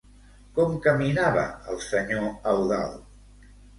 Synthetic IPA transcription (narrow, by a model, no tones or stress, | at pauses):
kɔmkəminaβə̰əlˠsəɲoəwða̰lˠ